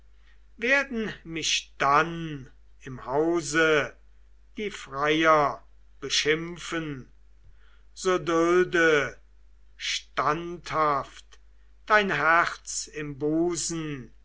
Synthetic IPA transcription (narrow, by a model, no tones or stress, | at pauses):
veːɐdn̩mɪʃd̥an | ɪmhaʊzə | d̥iːfʁajɐ | b̥əʃɪmfən | z̥oːdʊldə | ʃtanthaft | d̥aɪnɦɛʁt͡sɪmbuːzn̩